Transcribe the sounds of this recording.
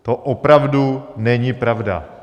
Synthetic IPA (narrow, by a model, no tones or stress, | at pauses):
t̪oʔopɾavdunɛɲipɾavda̰